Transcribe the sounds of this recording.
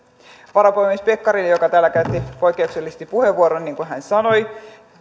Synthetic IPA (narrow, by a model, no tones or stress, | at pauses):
ʋɑɾɑpojmespekːɑɾinjo̞kɑt̪æːlːækæyt̪ːipo̞jkːˑe̞ukselːist̪ipuhe̞ʋːuoɾonːiːŋkuɦænsɑno̞j